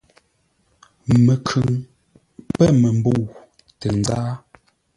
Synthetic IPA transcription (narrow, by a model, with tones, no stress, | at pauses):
mə˨kʰʉ˨ŋ | pɛ˦˨mə˨m˦bo˦˨w | tɛ˨n˦zaː˦